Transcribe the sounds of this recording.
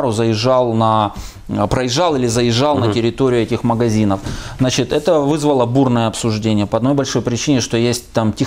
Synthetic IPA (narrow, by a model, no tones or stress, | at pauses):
ɾʊzəjɪʐːɑlˠnɐ | pɾəjɪʐːɑlˠilʲɪzəjɪʐːɑlˠnətʲɪɾʲɪt̪oɾʲɪjʊɛtʲɪxməɡɐzʲinəfznat͡ɕɪt̪ɛt̪əvɨzvəlˠəburnəjəɐpsʊʐdʲenʲɪjəpəɐd̪no̞jbɐlʲʂo̞jpɾʲɪt͡ɕinʲɪʂt̪o̞jesʲt̚ʲt̪amtʲɪ